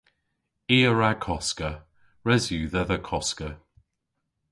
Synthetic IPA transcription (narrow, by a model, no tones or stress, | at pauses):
iːəɹakʰɔskə | ɹɛzjuːðəðəkʰɔskə